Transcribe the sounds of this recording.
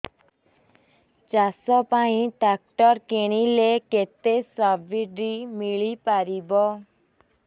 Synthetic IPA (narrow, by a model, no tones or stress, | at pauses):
t͡ʃasɔpaĩɖak̚ʈɔɾkeɽ̃ileket̪esɔbiɖimiɭipaɾibɔ